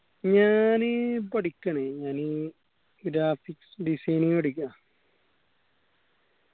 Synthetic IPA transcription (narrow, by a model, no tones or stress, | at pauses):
ɲaːnɨpɐʈikʲːɐɳeɲaːnɨ | ɡɾaːfiksɖisɐjniŋɐɽikːa